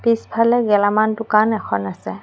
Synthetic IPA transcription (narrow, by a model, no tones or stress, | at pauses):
pispʰalɛɡɛlamantʊkanɛkʰɔnasɛ